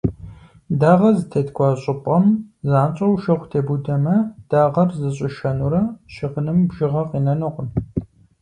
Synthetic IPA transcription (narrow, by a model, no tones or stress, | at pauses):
daːʁɐzɨtʰɐtkʷʰʼɑːɕʼɪpʼɐmzaːnɕʼɐwʃɐχʷtʰeːbudɐmɐd̥aːʁɐrzɨɕʼɪʃɐnuɾɐʃɪʁənɨmbʒɪʁɐqʼiːnɐnɨqʷʊn